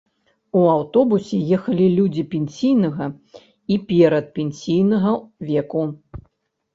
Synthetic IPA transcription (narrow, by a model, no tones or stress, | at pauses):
uawt̪ɔbusʲɛjɛxɐlʲilʲud͡zʲipʲenʲsʲijnɐɣɐ | ipʲɛɾɐt̪̚pʲenʲsʲijnɐɣɐvʲɛku